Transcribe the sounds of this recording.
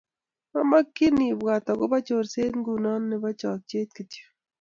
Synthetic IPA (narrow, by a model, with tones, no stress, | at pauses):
a˦ma˦kːɪ˦ni˨bwa˨t̪ɔ˨ɡʊ˦ba˦t͡ʃo˨ɾse˦tŋɡu˨nɔ˦nːɪ˦ba˦t͡ʃɔ˨k̚t͡ʃe˦t̪̚ki˨ti̥˨